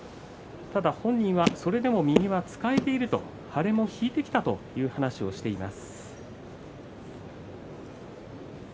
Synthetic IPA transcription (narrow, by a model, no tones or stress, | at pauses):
t̪ad̪ahõ̞ɲ̟ːĩɰ̃βaso̞ɾe̞d̪e̞mo̞mʲiɲ̟ʲiβat͡sɨ̥kae̞t̪e̞iɾɯ̟t̪o̞̰ | haɾe̞mo̞çiːt̪e̞kʲi̥t̪at̪o̞̰jɯ̟ːhanaɕio̞ɕi̥t̪e̞ima̰sɨ̥